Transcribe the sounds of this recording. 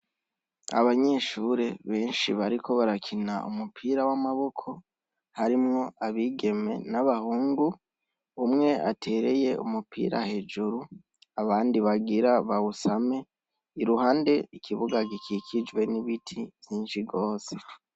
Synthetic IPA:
a̰βaɲe̞ʃuːɾe̞βe̞ːnʃḭβaɾiko̞βaɾakʰinaṵmupʰiːɾawamaβo̞kʰo̞ | haɾimŋo̞aβiɡe̞me̞naβahuːŋɡu | umŋe̞ʔatʰe̞ɾe̞̰je̞ṵmupʰḭːɾa̰he̞d͡ʒuɾu | aβaːndiβaɡiɾaβausame̞ | iɾuhaːnde̞ikʰiβuɡaɡikikʰid͡ʒwe̞niβitʰivjiːnʃiɡo̞ːse̞

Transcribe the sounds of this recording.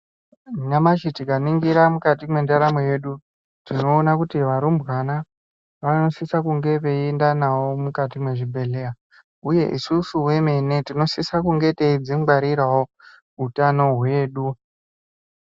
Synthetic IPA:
ɲamat͡ʃitikaniŋɡiɾamukatimwe̞ndaɾamweje̞ɗu | tino̞ːnakutiʋaɾumbwana | ʋano̞sisakuŋɡe̞ʋe̞endanawomukatimwe̞ʐibʱe̞le̞a | uje̞̰ʔisusuwe̞me̞netino̞sisakuŋɡe̞teid͡zimɡ͡baɾiɾawo | utano̞ɦwe̞ːɗu

